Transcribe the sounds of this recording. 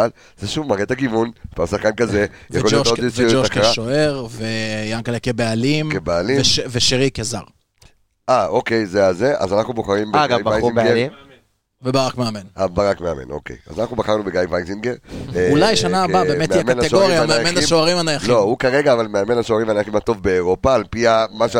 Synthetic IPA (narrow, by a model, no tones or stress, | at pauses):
al | z̥eʃuvmaʁet̪aɡivunpasaχkankazevjaolooisiud͡ʒoakaʁaoeʁvejaŋkalekebealimkebealiveʃeʁikeza̰ʁ | ʔaoke̞jzeazeʔa̰zanaχnuboχaʁimbeɡajbaajiɡeim | vebaʁakmeamenabaʁakmeame̞̰no̞̰kḛja̰zanaχnubaχaʁnubeɡajvajziŋɡeʁulajʃanaːabemetmejameanaeɡooʁjameamenaimʃoaʁimanajaχlo̞hukaʁeɡaːvalmeame̞naʃoaʁimanajaχimat̪o̞vbe̞ːʁo̞paːlpiamaʃe